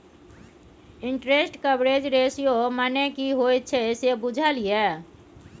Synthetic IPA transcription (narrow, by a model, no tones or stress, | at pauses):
ɪ̃ɳʈɾesʈkəbɾed͡ʒɾeːsijomanekiɦot̪̚t͡ʃʰesebʊd͡ʒʱaliɛ